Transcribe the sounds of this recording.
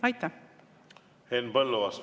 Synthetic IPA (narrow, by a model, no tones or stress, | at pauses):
ɑjt̪ːæ | henbəlːoɑs